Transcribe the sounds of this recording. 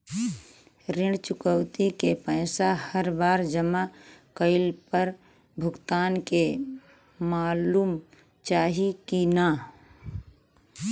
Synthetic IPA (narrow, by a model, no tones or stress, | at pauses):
ɾɪɳt͡ʃʊkəwt̪ikepəɪsahəɾbaːɾd͡ʒəmakəɪlpəɾ | bʱʊɡt̪aːnke | maːluːm | t͡ʃaːɦikinaː